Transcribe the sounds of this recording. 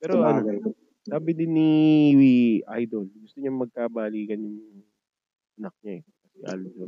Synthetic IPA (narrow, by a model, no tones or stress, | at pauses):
pɛːɾoʔɐno | saːbɪd̪ɪniiʔajd̪olɡʊst̪oɲɐŋmɐɡ̚kaːbaːliːkɐnjʊŋ | ʔɐnɐk̚ɲaɛkɐsɛʔa̰ːlo